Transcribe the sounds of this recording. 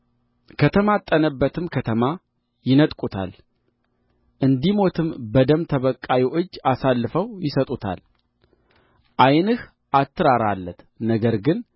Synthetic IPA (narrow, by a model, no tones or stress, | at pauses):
kʰət̪ʰəmat̪ʼːənəbːət̪ʰɨmkʰət̪ʰəma | jɪnət̪ʼkʼut̪ʰa̰l | ʔɨnd̪imo̞t̪ʰɨmbəd̪əmt̪ʰəβəkʼːajoʔɨd͡ʒːasalːɨfəwjɪsət̪ʼut̪ʰa̰l | ʔajnɨh | ʔat̪ʰːɨɾaɾalːət̪ | nəɡəɾɡɨn